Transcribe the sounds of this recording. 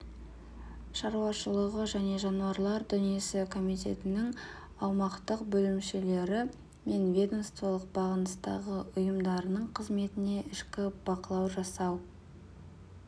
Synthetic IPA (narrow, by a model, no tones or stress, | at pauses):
ʃɑɾuɑʃəlˠəʁəʒæne̞ʒɑnuwɑɾlˠɑɾd̪ʏnije̞sɪkʰo̞mijt̪ʲe̞̰t̪ɪnɪŋ | ɑwmɑqt̪əqbɵlɪmʃele̞ɾɪ | me̞nvʲe̞d̪onst̪velˠəq̚bɑʁənəst̪ɑ̰ʁəʔʊjəmd̪ɑɾənəɴqʰəzme̞t̪ɪne̞ʔɪʃkʲɪb̥ɑqəlˠɑwʒɑsɑw